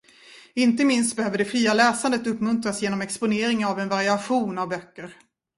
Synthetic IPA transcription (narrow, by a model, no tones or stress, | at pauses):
ɪnt̪əmɪnst̪̚bɛhøːvəɖɛfɾiːalɛːsand̪ət̪ɵpːmɵnt̪ɾasjeːnɔmɛkspʊneːɾɪŋnavɛnvaɾɪaɧuːnavbœkːəɾ